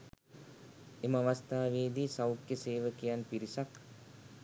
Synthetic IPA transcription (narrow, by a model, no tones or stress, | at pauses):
eməaʋast̪aːʋeːd̪iːsawkjəseːʋəkijanpiɾisak